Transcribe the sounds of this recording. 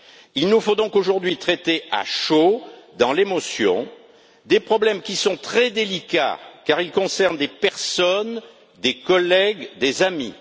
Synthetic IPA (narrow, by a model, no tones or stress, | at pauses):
ilnufod̪ɔ̃koʒuʁd̪ɥit̪χɛt̪ea̰ʃod̪ɑ̃lemɔsjɔ̰̃ | d̪epχɔblɛmkʲisɔ̃t̪χɛd̪elika̰kaʁilkɔ̃sɛʁnd̪epɛʁsɔn | d̪ekɔlɛɡd̪ezami